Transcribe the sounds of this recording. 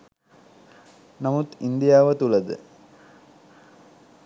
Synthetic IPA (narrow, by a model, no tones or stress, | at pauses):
nɐmut̪ind̪ijaːʋət̪ulɐd̪ɨ̰